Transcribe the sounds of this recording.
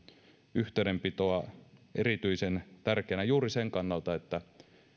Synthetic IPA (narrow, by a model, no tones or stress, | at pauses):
yht̪ˑeˑynempit̪oɑʔeɾit̪yisent̪ærkeːnæjuːriseŋkɑnːɑlt̪ɑet̪ːæ